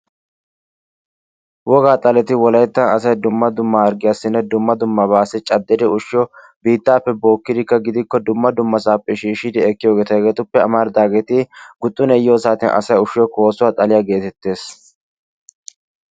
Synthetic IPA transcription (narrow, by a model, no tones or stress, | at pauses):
wɔɡaːt̪ʼɐlɛt̪ɪwɔlɐjt̪ːɐnɐs̬ɐjd̪ʊmːɐd̪ʊmːɐɐɾɡɪjɐsːɪnːɛd̪ʊmːɐd̪ʊmːɐβaːsɛt͡ʃʼɐd̪ːɛd̪ɛʊʃɪjɔ | biːt̪ːaːpːɛbo̞ːkːɪd̪ɪkːɐɡɪd̪ɪkːɔd̪ʊmːɐd̪ʊmːɐsaːpʼːɪʃiːʃɪd̪ɪɛkːɪjo̞ːɡeːt̪ɐɡeːt̪ʊpːɛɐmaɾd̪aːɡet̪ɪɡʊt̪ʼːʊnɛjːoːsaːt̪ɪnʔɐ̰sɐjʊʃɪjɔko̞ːsʊwat̪ʼɐlɪjaɡe̞ːt̪ɛt̪ːe̞ːs